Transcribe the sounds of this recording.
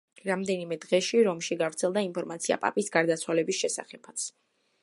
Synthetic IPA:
ɾamd̪ɛnimɛd̪ʁɛʃiɾɔmʃiɡavɾt̪sʰɛlˠd̪aimpʰɔɾmat̪sʰia̰pʼa̰pʼisɡaɾd̪at̪sʰwalɛbisʃɛsa̰χɛpʰat̪sʰ

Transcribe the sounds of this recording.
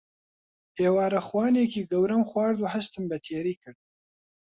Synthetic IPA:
ʔeːwaːɾɐxwaːneːkiːɡɐwɾɐmxwaːɾd̪uːhɐʃt̪ɨmbɛt̪ʰeːɾiːkʰɨɾd̪̚

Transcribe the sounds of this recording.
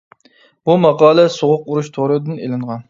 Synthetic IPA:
b̥umɑqɑːlˠɛsoʁʊquɾuʃt̪ʰoɾɨd̪ɨnelɪɴʁɑn

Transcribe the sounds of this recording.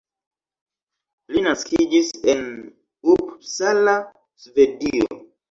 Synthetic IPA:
linaskid͡ʒisen | ubsala | svedio̰

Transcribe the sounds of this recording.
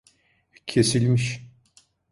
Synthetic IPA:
cʰesilʲmiʃ

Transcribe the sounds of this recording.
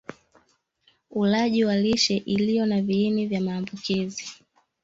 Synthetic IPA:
ulaʄiwaliʃɛʔilijɔnaviːnivjamaːmbukizi

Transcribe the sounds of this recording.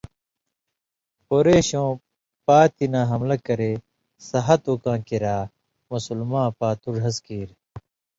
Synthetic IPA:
poɾeːɕõː | paːt̪inaːɦɐmlɐkɐɾeː | sɐɦɐt̪uːkãːkiɾaː | musulmãːpaːt̪uɾɦɐskiːɾ

